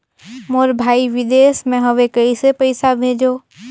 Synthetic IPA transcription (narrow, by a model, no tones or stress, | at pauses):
moːɾbʱaːiʋɪd̪eːsmẽɦɐʋekɐisepəɪsabʱẽːd͡ʒoː